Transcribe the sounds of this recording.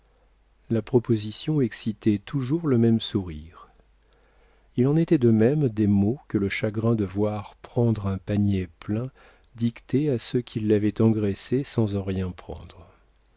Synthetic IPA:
lapχɔpozisjɔ̃ɛksit̪ɛt̪ʰuʒuʁləmɛmsuʁiʁ | ilɑ̃net̪ɛd̪əmɛmd̪emokələʃaɡʁɛ̃d̪əvwaʁpχɑ̃d̪ʁɛ̃paɲeplɛ̃ | d̪ikt̪easəkʲʰilːavɛt̪ɑ̃ɡʁɛsesɑ̃zɑ̃ʁjɛ̃pχɑ̰̃d̪ʁ

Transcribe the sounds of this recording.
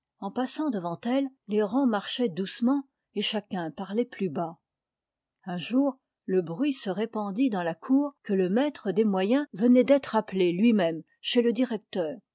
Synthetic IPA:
ɑ̃pasɑ̃d̪əvɑ̃t̪ɛlleʁɑ̃maʁʃɛd̪usmɑ̃ | eʃakʲɛ̃paʁlɛplyba | ɛ̃ʒuːʁ | ləbʁɥisəʁepɑ̃d̪id̪ɑ̃lakʰuːʁkələmɛt̪χəd̪emwajɛ̃vənɛd̪ɛt̪χaplelɥimɛm | ʃeləd̪iʁɛk̚t̪œːʁ

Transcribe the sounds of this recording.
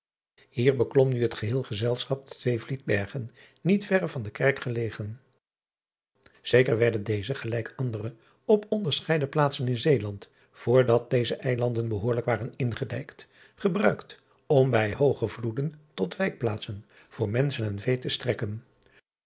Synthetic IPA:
hiːɹbəklɔmnyɦətχəɦɪːlˠχəzɛlˠsχɑp̚dətʋejvlid̚bɛɹχənː | itfɛrəvɑndəkɛɹkχəlejχən | z̥ejkəɹʋɛɹdəndejzəχəlɛjkɑndərə | ɔpɔndəɹsχɛjdəplaːtsənɪnzejlɑnt | fʊːɹdɑt̚dejzəʔɛjlɑndənbəɦoːɹləkʋaːrənɪnχədɛjkt | χəbrœɥkt | ɔmbɛjɦowχəvludəntɔtʋɛjk̚plaːtsən | v̥ʊːɹmɛnsənɛnvejtəstrɛkən

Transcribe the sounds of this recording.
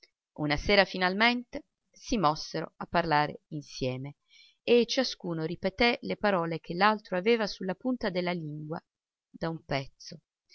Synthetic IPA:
unaseːɾafinalment̪e | simɔsːeɾo̰apːarlaːɾḛinsjɛːme | et͡ʃːaskuːnoɾipet̪elepaɾɔːlek̟ʰelːalt̪ɾoaveːvasulːapunt̪ad̪elːaliŋɡwa̰ | d̪aumpɛt̪sːo

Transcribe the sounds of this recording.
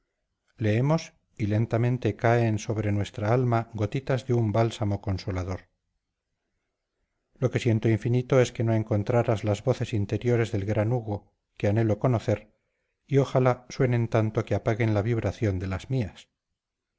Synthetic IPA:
le̞emo̞s | ile̞nt̪amẽnt̪e̞kaenso̞βɾe̞nwe̞st̪ɾaalmaɣo̞t̪it̪azðeumbalsamo̞ko̞nso̞laðo̞ɾ | lo̞ke̞sje̞nt̪oiɱfinit̪o̞e̞ske̞no̞e̞ŋko̞nt̪ɾaɾazlazβo̞θe̞sint̪e̞ɾjo̞ɾe̞zðe̞lɣɾanuɣ̞o̞ | keane̞loko̞noθe̞ɾ | io̞xalaswe̞nẽ̞nt̪ant̪o̞keapaɣe̞nlaβiβɾaθjo̞nd̪e̞lazmias

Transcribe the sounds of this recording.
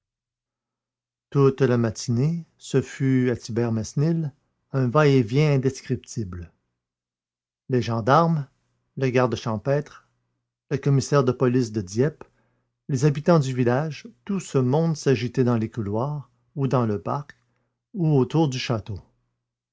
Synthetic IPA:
t̪ut̪lamat̪ʰine | səfyat̪ibɛʁmɛsnil | ɛ̃vaɛvjɛ̃ɛ̃d̪ɛskʲʁip̚t̪ʰibl | leʒɑ̃d̪aʁm | laɡaʁd̪əʃɑ̃pɛt̪χ | ləkɔmisɛːʁd̪əpɔlis̬d̪əd̪jɛp | lezabit̪ɑ̃d̪yvilaʒt̪usəmɔ̃d̪saʒit̪ɛd̪ɑ̃lekulwaːʁ | ud̪ɑ̃ləpaʁk | uot̪uːʁd̪yʃat̪o

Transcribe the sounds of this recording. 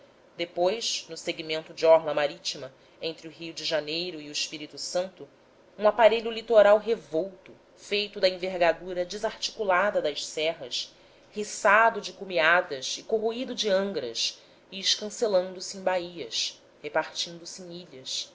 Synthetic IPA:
d̪epojʃnʊseɡimẽnt̪ʊd͡ʒɪɔɾlɐmaɾit͡ʃimɐ | ẽnt̪ɾɪʊɦiwd͡ʒɪʒanejɾʊiʊɪʃpiɾit̪usɐ̃nt̪ʊ | ũapaɾeʎʊlit̪oɾawɦevowt̪ʊ | fejt̪ʊd̪ɐĩveɾɡad̪uɾɐd͡ʒɪzaɾt͡ʃi̥kulad̪ɐd̪ɐʃsɛɦɐs | hisad̪ʊd͡ʒɪkumiad̪ɐsɪkoɦoid̪ʊd͡ʒɪɐ̃ŋɡɾɐʃ | iːʃkɐ̃selɐ̃nd̪ʊsɪẽj̃baiɐs | hepaɾt͡ʃĩnd̪ʊsẽj̃iʎɐs

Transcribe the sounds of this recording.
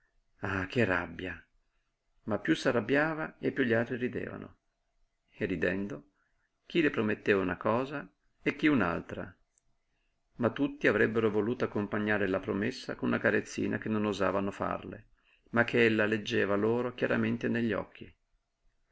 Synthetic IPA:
akʰːerːabːja | mapːjusːarabːjaːvaepːjuʎːialt̪ɾiɾid̪ḛːva̰no̰ | erːid̪ɛnd̪o | k̟ilepɾomet̪ːeːvaunakɔːza | ekːiuna̰lt̪ɾa̰ | mat̪ːut̪ːiavɾɛbːeɾovoluːt̪oakːompaɲːaːɾelapɾomesːa̰konunakaɾet̪sːḭːnak̟enːonoza̰ːvanofa̰rlḛ | mak̟ːeelːaled͡ʒːɛːvaloːɾok̟jaɾament̪eneʎːiɔ̰kʰːi

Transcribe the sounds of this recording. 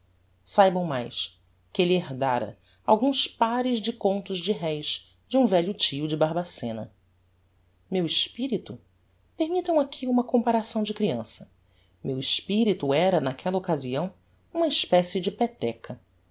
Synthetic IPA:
sajbɐ̃w̃majs | kɪelieɦd̪aɾɐ̰ | awɡũspaɾɪzd͡ʒɪkõnt̪ʊzd͡ʒɪɦɛjʃ | d͡ʒɪũvɛʎʊt͡ʃiʊd͡ʒɪbaɦbasẽnɐ̰ | mewɪʃpiɾit̪ʊ | peɾmit̪ɐ̃w̃akʰiũmɐkõmpaɾasɐ̃w̃d͡ʒɪkɾiɐ̃sɐ̥ | mewiʃpiɾit̪uɛɾɐnakʰɛlɐokaziɐ̃w̃ | ũmɐiʃpɛsɪd͡ʒɪpet̪ɛkʰɐ

